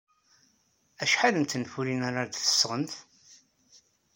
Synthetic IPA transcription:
æʃħaləmt̪ənfuɾinaɾˤaɾd̪θə̥sːʁənθ

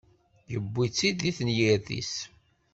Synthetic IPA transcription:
jəbːit͡sːid̪iθnjiɾθḭs

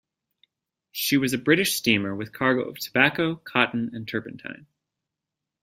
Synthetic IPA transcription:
ʃiwʌzɨbɹɪɾɨʃstĩmə˞wɨð̥kʰɑɹɡoʊʌv̥tʰəbækoʊkʰɑʔn̩ɨ̃ntʰɜ˞pn̩tʰã̰ɪ̃n

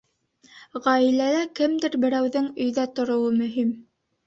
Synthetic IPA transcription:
ʁɑilælækɘmd̪ɘɾbɘ̆ɾæwðɘŋɵ̆jðæt̪ŏɾŏwɤmɵ̆ɦim

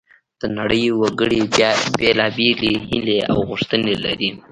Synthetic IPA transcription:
d̪̥ənaɽəjwaɡəɽibjɑbelɑbeleɦɪlea̰wɣʊʂt̪ənela̰ɾi

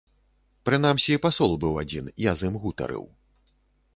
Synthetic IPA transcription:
pɾɨnamsʲiipasɔlˠbɨwad͡zʲinijazɨmɣut̪ɐ̰ɾɨ̰w

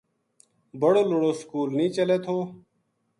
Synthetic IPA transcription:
bəɽoːloɽoːskuːlnĩːt͡ʃəleːt̪ʰoː

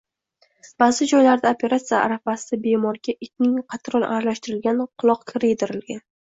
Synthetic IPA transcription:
b̥azɪd͡ʒɒjlaɾd̪aopʰe̞ɾat̪sijaa̰ɾafasabe̞mɒɾɡʲaʔɪt̪ʲnɪŋqʰɑt̪ɾɒlˠa̰ɾalaʃt̪ɪɾɪlɡʲanqʰʊlˠɒqkʲʰɪɾɪd̪ɪɾɪlɡʲan

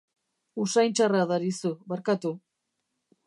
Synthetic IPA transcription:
usajnt͡ʃaraðaɾisuβaɾkat̪u

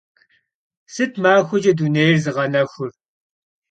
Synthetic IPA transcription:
sɨtʰmaːxʷʊd͡ʒɐduneːjrzɨʁɐnɐxʷʊr

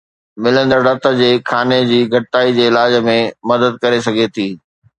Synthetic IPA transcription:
mɪlə̃nd̪əɾɖɐt̪ə̆d͡ʑeːkʰaːned͡ʑiːɡʱɐʈʈaːid͡ʑeːɪlaːd͡ʑmẽmɐd̪əd̪̚kɐɾesɐɡʱet̪ʰiː

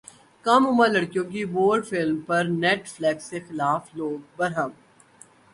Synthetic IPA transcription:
kɐmʊməlɐɽkjõk̬iboːɾɖfɪlmpɐɾnɛːʈflɛːksexɪlaːfloːɡ̚bɐɾɦəm

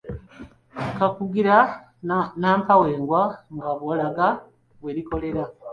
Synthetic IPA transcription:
kakuɡiɾa | naːmpawe̞ːŋɡwaŋɡaβolaɡa | βweliko̞le̞ɾa

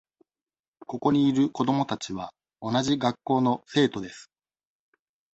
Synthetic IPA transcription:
ko̞ko̞ɲ̟iːɾɯ̟ko̞d̪o̞mo̞t̪at͡ɕiβ̞a | o̞naʑiɡakːo̞ːno̞se̞ːt̪o̞d̪e̞sɨ̥

